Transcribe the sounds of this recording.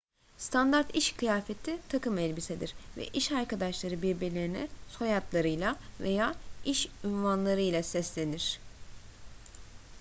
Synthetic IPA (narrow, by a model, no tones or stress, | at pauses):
st̪ʰand̪aɾt̪iʃkʰɯjaːfet̪ʰit̪ʰakɯmɛlʲbisɛd̪iɾvɛ̰ʔiʃaɾkad̪aʃlˠaɾɯbiɾbiɾlʲeɾinɛ̰sojat̪lˠaɾɯjlˠave̞jaːiʃynvanlˠaɾɯjlˠasɛslʲe̞niɾ̥